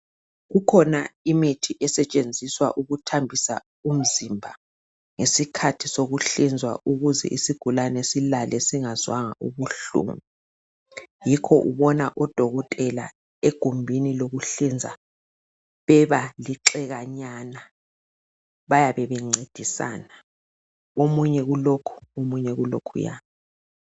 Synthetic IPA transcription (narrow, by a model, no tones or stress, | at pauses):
ɣukʰɔnaimitʰiʔɛsɛt͡ʃʼend͡zʱiswa̰ʔuɣutʰambʱisa̰ | um̩zimbʱa | ŋesikʰatʰisoɣuɬind͡zʱwa̰ʔuɣuzɛ̰ʔisiɡ̥ʱulanesilalʔɛsiŋazwaŋa̰ʔuβuɬṵːŋu | jikʰɔʔuβɔna̰ʔɔd̥ʱɔɣɔtʼɛla | eɡ̥ʱumbʱiniloɣuɬind͡zʱa̰ | βɛβaliǁɛɣaɲana | βajaβɛβɛŋ͡ǀʱed̥ʱisa̰na | omuɲɛɣulokʰu̥omuɲɛɣulo̰kʰṵja̰ːni